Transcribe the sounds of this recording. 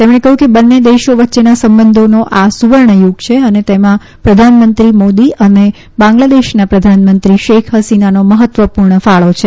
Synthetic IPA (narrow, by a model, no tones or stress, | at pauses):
t̪emɽ̃ẽkəɦjũkebənːed̪eʃoʋətːʃenasəmbənd̪ʱonoʔasuʋəɾɳəjuɡt͡ʃʰeənet̪emã | pɾəd̪ʱanmənt̪ɾimod̪iəne | bãŋɡlad̪eʃnapɾəd̪ʱanmənt̪ɾiʃekʰɦəsinanoməɦət̪ʋəpuɾɳəfaɭot͡ʃʰe